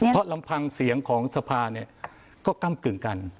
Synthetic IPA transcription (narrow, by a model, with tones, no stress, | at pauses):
ɾɔ˦˥la˧mpʰa˧ŋsi˨˩˦əŋkʰɔː˩˦ŋsa˧pʰaː˧ni˥˩ə | kɔː˥˩ka˥˩mkɯ˨˩ŋka˧n